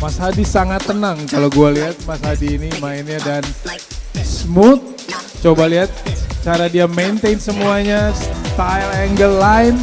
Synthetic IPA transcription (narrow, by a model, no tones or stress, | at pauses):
masɦadisaŋat̪ːənaŋkaloɡualiɦat̪̚masɦadiːnimaɪnɲadan | smut̪̚ | t͡ʃobaliɦat̪̚t͡ʃaɾadiament̪ejnsəmuaɲast̪ajlɛŋɡəllaɪn